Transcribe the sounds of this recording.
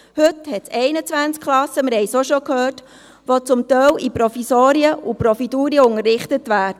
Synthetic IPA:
hɵthɛtt͡sɛɪnət͡svʋænt͡skʰχlɑsːəməɾhɛɪjsoʃokhøːrt | ʋot͡sʊmt̪œlʔipɾɔfisoːɾiəʔupɾɔfiduːɾiəʊŋərːɪχtətʋæːɾdə

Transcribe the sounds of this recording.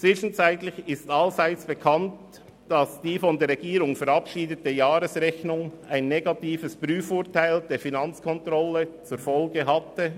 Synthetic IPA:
t͡sʋ̥ɪʃn̩t͡saɪtlɪçɪstɑlzaɪt͡sb̥əkʰɑnt | d̥ɑsd̥iːfɔndeːɾʁɛɡiːɾʊŋfɛɾɑpʃiːdətəjaːɾəsʁɛçnʊŋaɪnːeɡɑtiːfəsb̥ɾyːfʊːtaɪldeːɾfinɑnt͡skʰɔntʁɔlːət͡suɾfɔlɡəɦɑtə

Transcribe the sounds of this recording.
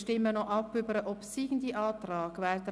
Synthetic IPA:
ʃtɪmːənɔʔɑpːʏbəɾəʔɔpsiːɡn̩d̪iʔɑːt̪ɾɑːɡʋɛd̪ə

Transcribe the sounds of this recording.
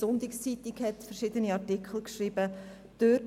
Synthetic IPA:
ʊntikst͡sitikhɛtfəɾʃɪdəniɑɾtikʰl̩ˠkʃriːb̥ə | d̥ø

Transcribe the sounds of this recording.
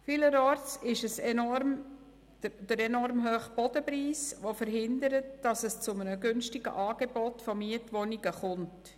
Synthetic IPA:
fɪləɾɔːɾtɪʃəsɛnɔɾm | d̥əɾɛnɔɾmɦøːχb̥ɔd̥əpɾiːsʋofəɾɦɪndəɾətd̥ɑsəst͡sʊmənəɡʏnʃtɪɡ̥ə̰ʔɑːɡ̥ebɔtfɔmiətʋɔniɡ̥əχʊnt

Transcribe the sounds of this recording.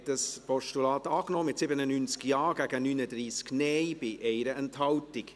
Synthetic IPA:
təspɔʃtulɑːt̪ɑːknɔːmɪtsɪbənənynt͡skjɑːɡæɡənynədɾiːsknɛɪb̥ɪʔɛɪɾəʔɛnthɑltɪk

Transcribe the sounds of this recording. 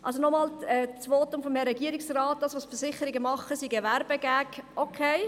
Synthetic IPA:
ʔɑ̰lsonɔmɑːlɛːt͡sʋoːtʊmfɔmɛɾɛɡiəɾɪksrɑːt̚d̥ɑːsʋoːsfəɾsɪχəɾɪɡəmɑχəsiɡevæɾbəɡæːkʔokʰeɪ

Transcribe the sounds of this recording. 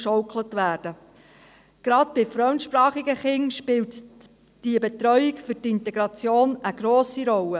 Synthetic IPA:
ʃɔwklətʋæːɾd̥ə | ɡ̥ɾɑdb̥ɪfɾœntʃpɾɑːχɪɡəχɪŋʃpɪlt | d̥iəbɛt̪ɾœʏɪkfʏɾtɪntɛɡɾɑt͡sjoːnəɡ̥ɾoːsiɾɔlə

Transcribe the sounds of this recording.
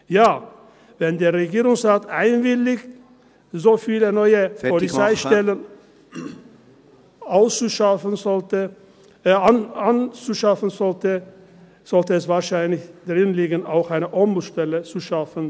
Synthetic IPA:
jaː | vɛndeːɐʁeɡiːʁʊŋsʁaːtʔaɪnvɪlɪç | zoːfiːlənɔʏəpʰɔlit͡saɪʃtɛlən | aʊst͡suʃafənzɔltə | anant͡suʃafən̩zɔltə | z̥ɔltəɛsv̥aːʃaɪnlɪçd̥ʁɪnliːɡəna̰ʊxaɪnəʔɔmbl̩ʃtɛlət͡suʃafən

